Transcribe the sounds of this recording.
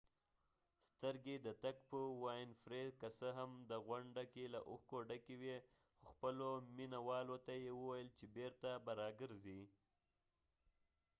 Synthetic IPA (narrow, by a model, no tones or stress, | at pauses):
st̪əɾɡed̪ət̪akpəwɑjnfɾed̪kasəɦamd̪əɣwaɳɖakelaʔʊxkoɖakewe | xoxpəlominawɑlot̪ajewəwajəlt͡ʃebeɾt̪abaɾɑɡəɾzi